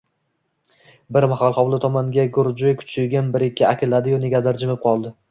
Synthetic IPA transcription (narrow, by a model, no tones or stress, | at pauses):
bɪɾmaχalˠχɒwlˠɪt̪ʰɒmaŋɡʲaɡʊɾd͡ʒʊjkʲʰʊ̥t͡ʃʰɪjɡʲɪnbɪɾɪkʲːɪakʰʲɪlad̪ɪjɒneɡʲad̪aɾd͡ʒɪmɪp̚qʰɒlˠd̪ɪ